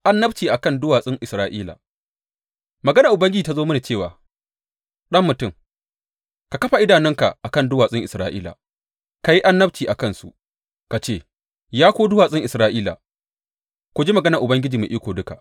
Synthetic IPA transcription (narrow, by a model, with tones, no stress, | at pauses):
ʔa˦nːɐ˦bt͡ʃiː˨ʔa˨kɐ˦ndʊ˦waː˨sʼɪ˦ŋʔɪ˨sɾaː˦ʔiː˦la̰˨ | mɐ˨ɡɐ˦na˨ʔʊ˨bɐ˦ŋɡʲɪ˦d͡ʒiː˨ta˦zoː˦mɐ˦na˨t͡ʃeː˦˨waː˨ | ɗɐ˦mːʊ˨tʊ˦˨ŋ | ka˨kɐ˦ɸa˨ʔɪ˦daː˨nɪ˦ŋka̰˨ʔa˨kɐ˦˨ndʊ˦waː˨sʼɪ˦ŋʔɪ˨sɾaː˦ʔḭː˦la̰˨ | ka˨ji˦ʔa˦nːɐ˦b̚t͡ʃiː˨ʔa˨kɐ˦˨nsṵ˨ | ka˨t͡ʃeː˦˨ | jaː˦kʷoː˦dʊ˦waː˨sʼɪ˦ŋʔɪ˨sɾaː˦ʔiː˦la̰˨ | kʷo˦d͡ʒiː˦mɐ˨ɡɐ˦nɐ˨ʔʊ˨bɐ˦ŋɡʲɪ˦d͡ʒiː˨mḛ˨ʔiː˦kʷoː˨dʊ˦ka̰˨ʔ